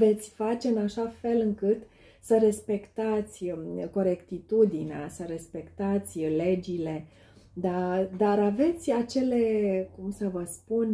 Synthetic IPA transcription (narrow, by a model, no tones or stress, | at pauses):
ve̞t̪sʲfat͡ʃe̞ɨnaʃafe̞lɨŋkɨt̪ | səɾe̞spe̞kt̪at̪sʲko̞ɾe̞kt̪it̪ud̪inea̰səɾe̞spe̞kt̪at̪sʲle̞d͡ʒile̞ | d̪ad̪aɾave̞t̪sʲat͡ʃe̞le̞kumsəvəspun